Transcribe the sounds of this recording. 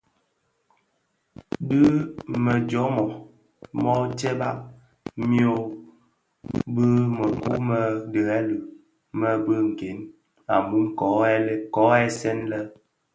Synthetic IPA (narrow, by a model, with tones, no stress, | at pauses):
bɨ˦mə˨d͡ʒɔ˨˦mɔ˨ | mɔ˦tɛ˦ba˦ʔ | mjo˦˨ | bə˦mə˨kṵ˦mə˦də˨ɛ˦lə˨ʔ | mə˦bə˦ŋ̩˨ke˨˦n | a̰˨mu˦mkɔ˨˦ɛ˦le˦kɔ˨˦ɛ˦sɛ˦nlə˦